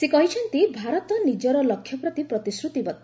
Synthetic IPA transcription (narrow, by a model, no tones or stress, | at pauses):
sekɔɦit͡ʃʰɔnt̪ibʱaɾɔt̪ɔnid͡ʒɔɾɔlɔkʰːjɔpɾɔt̪ipɾɔt̪isɾut̪ibɔt̪i